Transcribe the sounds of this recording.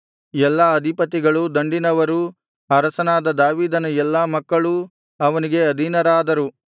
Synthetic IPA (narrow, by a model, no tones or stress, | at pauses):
ɛlːaɐd̪ʱipɐt̪iɡɐɭud̪ɐɳɖinɐʋɐɾu | ɐɾɐsɐnaːd̪ɐd̪aːʋiːd̪ɐnɐɛlːaːmɐkːɐɭu | ɐʋɐniɡe̞ɐd̪ʱinɐɾaːd̪ɐɾu